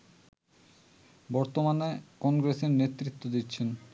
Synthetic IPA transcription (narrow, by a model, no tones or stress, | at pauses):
bɔɾt̪omanekɔŋɡɾeseɾnet̪ːɾit̪ːod̪itːɕʰen